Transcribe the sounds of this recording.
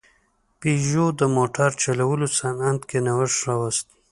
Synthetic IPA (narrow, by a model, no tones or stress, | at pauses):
piʒod̪əmoʈaɾt͡ʃalawəlosanand̪kenawəʂɾawast̪i̥